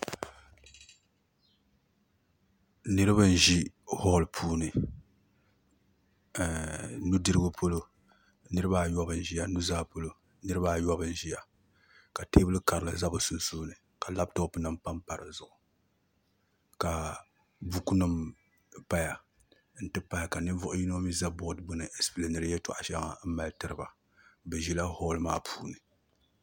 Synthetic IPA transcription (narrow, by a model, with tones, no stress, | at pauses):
nɨ˦ɾɨ˦bɨ˦n̩˨ʒi˦hɔ˦lpʰuː˦nɨ˨ | nu˦dɨ˦ɾɨ˦ɡo˦pʰo˦lo˦ | nɨ˦ɾɨ˦ba˦˨jɔ˦bɨ˨n˦ʒi˦ja˨nu˦zaː˦po˦lo˨ | nɨ˦ɾɨ˦ba˦˨jɔ˦bɨ˦n˦ʒi˦ja˨ | ka˨teː˦bɨ˦lɨ˦ka˨ɾɨ˨lɨ˨za˦bɨ˨su˨n˦suː˦nɨ˨ | ka˨la˦b̚to˦pɨ˦na˦mpa˦mpa˨ɾɨ˨zʊ˨ʔʊ˨ | ka˨ | bu˦ku˦nɨ˦m | pa˦ja˨ | n̩˦tɨ˦pa˦ja˨ka˨nɨ˦vʊ˦ʔʊ˦ji˦n˦mi˦za˦bɔ˦dbʊ˦nɨ˨ʔe˦splɨ˨nɨ˨ɾɨ˦jɛ˦tʊ˨ʔa̰˨ʃa˦ŋa̰˨m̩˦ma˨ltɨ˦ɾɨ˦ba˨ | bɨ˨ʒi˨la˦hɔː˦lma̰ː˦pʰuː˦nɨ˨